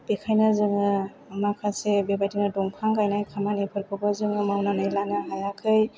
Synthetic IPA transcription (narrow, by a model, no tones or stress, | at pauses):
bekʰajnazɯŋɯ | makʰasebebajtiŋnadɔŋpʰaŋkajnajkʰamanipʰɯɾkʰɯbɯzɯŋɯmawnanɯjlanɯɦajakʰɯj